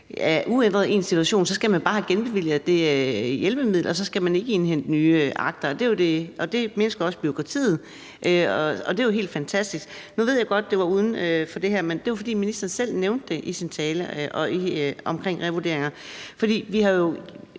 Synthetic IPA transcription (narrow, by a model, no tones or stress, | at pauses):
æɐʔuen̰d̥ʁɐðˠe̝̰ːnsit͡sʰuæɕo̝̰ːnsɒ̽sɡ̥æmænb̥ɑ̈ːhæɡ̥enb̥e̝ʋil̰ð̩ˠd̥e̝jelb̥əmið̰ˠlɐɒs̬ɒ̽sɡ̥æmæne̝ɡ̥əe̝nɦen̰d̥nyːʔɑ̈ɡ̥̚d̥ɐɒd̥e̝od̥e̝ɒ̽d̥e̝menəsɡ̥iɒ̽sb̥io̝kʰʁɑ̈t͡sʰḭːð̞̩ˠ | ʔøɒ̽ɒ̽d̥e̝aɦe̝̰ːld̥fænt͡sʰæsd̥isɡ̥ | nuʋe̝̰jɡ̥ɒ̽d̥̚ːe̝ʋɑ̈uːð̞ˠn̩øfɒ̽d̥e̝ɦæɐmend̥e̝ʋɑfɒ̽d̥ḭːminisd̥ɐn̩sel̰neʊnd̥ːe̝ʔisint͡sʰɛːləʔɒ̽iʔɒ̽mkʰʁeŋ̰ʁɛʋud̥e̝ɐeŋɐfɒd̥ḭːʋiɦɑ̈jo̝